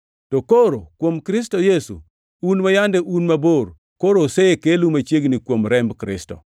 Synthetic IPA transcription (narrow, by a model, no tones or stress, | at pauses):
tokoɾokwomkɾɪs̬tojesṵ | unmajandɛʔunmaboɾ | koɾoseekelumat͡ʃjeɡnikwomɾɛmbkɾɪ̰stɔ̰